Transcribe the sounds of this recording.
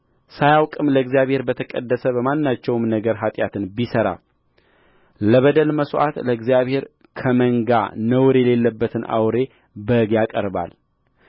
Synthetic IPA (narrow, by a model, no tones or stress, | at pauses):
sajawkʼɨmləɨɡzjaβhe̞ɾbət̪ʰəkʼəd̪ːəsəβəmanːat͡ʃːɛwmnəɡəɾɦat̪ʼjat̪ʰɨnbisəɾa̰ | ləβəd̪əlməsʔa̰t̪ləɨɡzijaβhe̞ɾ | kʰəməŋɡa̰nəwɾejɛle̞lːəbːət̪ʰɨnʔa̰wɾe̞ | bəɡjakʼəɾba̰l